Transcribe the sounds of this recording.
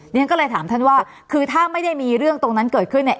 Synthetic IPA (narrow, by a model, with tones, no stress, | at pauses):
n˦˥ŋkɔː˥˩lɤː˧jt̪ʰaː˩˦mt̪ʰa˥˩nwaː˥˩ | kʰɯː˧t̪ʰaː˥˩ma˥˩jda˥˩jmiː˧ɾɯ˥˩əŋt̪o˧ŋna˦˥nkɤː˨˩t̪̚kʰɯ˥˩nːi˧˩